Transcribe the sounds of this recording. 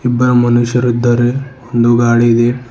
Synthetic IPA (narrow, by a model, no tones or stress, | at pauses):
ibːɐɾɐmɐnuʃjɐɾud̪ːɐɾeond̪uɡaːɽiid̪e